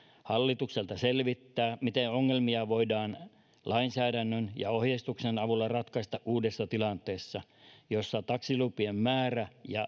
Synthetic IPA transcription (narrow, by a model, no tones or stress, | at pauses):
hɑlːit̪ukselt̪ɑselʋit̪ːæːmit̪eoŋːelmiɑʋoidɑːn | lʔɑinsæːdænːønjɑ̰ohjest̪uksenɑʋulːɑrɑt̪kɑst̪ɑʔʔuːdesːɑt̪ilɑnt̪ˑeːsːɑ | josːɑt̪ɑksilupiemmæːræjɑ